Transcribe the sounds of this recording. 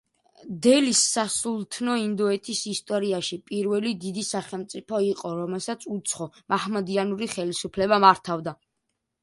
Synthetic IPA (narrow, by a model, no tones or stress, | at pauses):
d̪ɛlisːasulˠt̪ʰnɔind̪ɔɛt̪ʰisist̪ʼɔɾiaʃipʼiɾvɛlid̪id̪isaχɛlˠmt̪sʼipʰɔiqʼɔɾɔmɛlˠsat̪sʰut̪sʰχɔmʔahmad̪ianuɾiχɛlisupʰlɛbamaɾt̪ʰavd̪a